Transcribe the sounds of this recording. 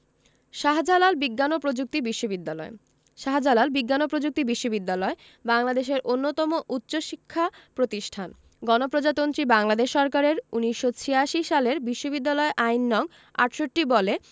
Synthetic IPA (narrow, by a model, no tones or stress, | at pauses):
ʃaɦd͡ʑalalbiɡːanopɾod͡ʑuk̚t̪ibiʃːobid̪ːalɔe | ʃaɦd͡ʑalalbiɡːanopɾod͡ʑuk̚t̪ibiʃːobid̪ːalɔe | baŋlad̪eʃ̬eɾʔonːot̪ɔmoʔutːɕoʃikʰːapɾot̪iʃʈʰan | ɡɔnopɾod͡ʑat̪ont̪ɾibaŋlad̪eʃːɔɾkaɾeɾuniʃːot͡ɕʰijaʃiʃaleɾbiʃːobid̪ːalɔeʔainːɔŋ | a̰ʈʃoʈːibɔle